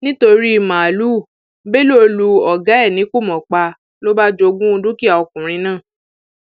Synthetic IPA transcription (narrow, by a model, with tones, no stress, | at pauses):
nĩ˦to˧ɾi˦i˦˨mã˨lu˦˨ | be˦lu˦o˧lu˧ɔ˨ɡa˨˦ɛ˦˨nĩ˨˦ku˦˨mɔ̃˨k͡pa˧ | lo˦ba˦d͡ʒo˧ɡũ˦˧dũ˦ki˦a˨ɔ˧kũ˨ɾ̃ĩ˧˦nãː˦˨